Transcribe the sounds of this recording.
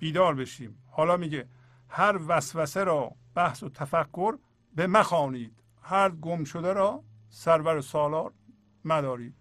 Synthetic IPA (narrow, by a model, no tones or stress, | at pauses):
b̥iːd̪ɒːɾbeʃiːmhɒːlɒːmiɟe | hæɾvæsvæseɾɒːb̥æhsot̪ʰæfækʰːoɾ | bemæxɒːniːd̪̥ | hæɾd̪ɡomʃod̪eɾɒː | sæɾvæɾosɒːlɒːɾ | næd̪ɒːɾiːd̪̥